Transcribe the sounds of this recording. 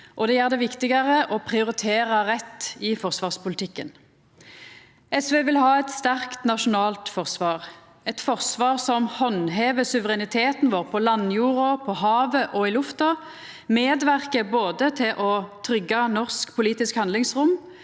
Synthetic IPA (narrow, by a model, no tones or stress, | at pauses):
ʔɔd̪ɛjæːʁd̪ɛʋɪkt̪ɪɡɑʁəʔɔpʰʁɪʊʁɪt̪ʰeːʁɑʁɛt̪ːɪfɔʁsʋɑːʁspʊlt̪ʰɪkːən | ɛsʋeːʋɪlɦɑːɛt̪st̪æʁkt̪nɑʃʊnɑːlt̪fɔʁsʋɑːʁ | ɛt̪fɔʁsʋɑːʁsɔmhɔnɦeːʋəsʉʋəʁɛnɪt̪ʰeːt̪nʋoːʁpʰɔlɑnːjuːʁʊpʰɔɦɑːʋəʔɔɪlʉft̪ɑ | meːd̪ʋæʁkəboːd̪ət̪ʰɪlʔɔt̪ʰʁʏɡːɑnɔʁskpʰʊliːt̪ɪskhɑnd̪lɪŋsʁʊm